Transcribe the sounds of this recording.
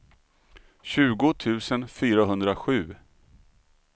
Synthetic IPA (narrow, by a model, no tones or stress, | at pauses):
ɕʉ̟ːɡʊt̪ʰʉ̟ːsənfyːɾaɦɵnd̪ɾaɧʉ̟ː